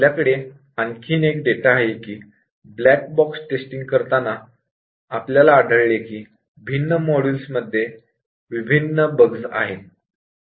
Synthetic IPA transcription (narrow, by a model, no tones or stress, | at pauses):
ljakəɽe | ankʰiːnek̚ɖeʈaɦekiː | blæk̚bɔksʈesʈiŋɡ̚kəɾt̪anaː | pljalaːɽʱəɭlekiː | bʱinːəmɔɽulsməd̪ʱːje | ʋibʱinːəbəɡd͡za̰ɦe